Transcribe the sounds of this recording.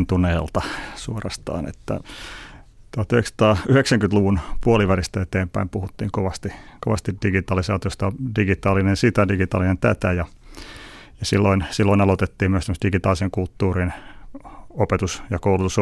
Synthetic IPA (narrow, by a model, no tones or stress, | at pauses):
nt̪uneːlt̪ɑsuorɑst̪ɑ̰ːnḛt̪ːæ̰ | t̪uɑt̪yheksɑ̥t̪ɑːyheksæŋkyt̪luʋunpuoliʋærist̪æet̪eːmpæimpuhut̪ːiːŋkoʋɑst̪ikoʋɑ̰st̪idiɡit̪ɑːlisɑːt̪iost̪ɑdiɡit̪ɑːlinensit̪ædiɡit̪ɑ̰linent̪æ̰t̪æjɑ | jɑsilːoinsilːoinɑlot̪et̪ːiːmyəsemːst̪diɡit̪ɑːliseŋkult̪ːuːrin | opet̪usjɑkoulut̪us